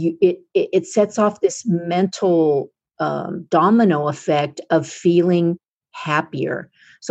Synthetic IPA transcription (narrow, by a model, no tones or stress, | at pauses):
ɪɾɪʔɪtsɛtsɔfðɪsmɛ̃ntʰl̩ˠ | ʌ̰d̥ɑmɨnoʊəfɛk̚tʌv̥filˠɪ̃ŋ | hæpiə̰˞ | s